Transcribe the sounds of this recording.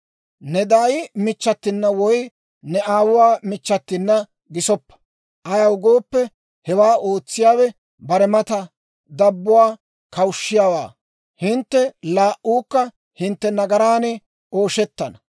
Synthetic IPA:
nɛd̪aːjɪmɪt͡ʃːɐt̪ːɪnːɐwɔj | nɛʔaːwʊwaːmɪt͡ʃːɐt̪ːɪnːɐ | ɡɪsɔpːɐ̥ | ʔɐjɐwɡo̞ːpːɛ | hɛwaːʔoːt͡sːɪjaːwɛ | bɐɾɛmɐt̪ɐ | d̪ɐbːʊwaː | kɐwʊʃːɪjaːwa̰ː | hɪnt̪ːɛlaːʔuːkːɐ | hɪnt̪ːɛnɐɡɐɾaːnɛ | ʔo̞ːʃɛt̪ːɐnɐ

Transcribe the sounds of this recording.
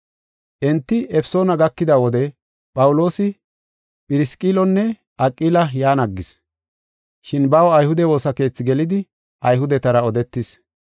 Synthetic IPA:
ʔɛnt̪ːɪʔɛpɪ̥so̞ːnɐɡɐkːɪd̪ɐwɔd̪ɛ | pʼɐwʊlo̞ːsɪ | pʼɪɾɪskʼːiːlɔnːɛ | ʔɐkʼːiːlɐjaːnɐɡːɪs | ʃɪnbɐwɐjhʊd̪ɛwo̞ːsɐke̞ːt͡sːɪɡɛlɪd̪ɪ | ʔɐjɦʊd̪ɛt̪ɐɾɐɔd̪ɛt̪ːɪs

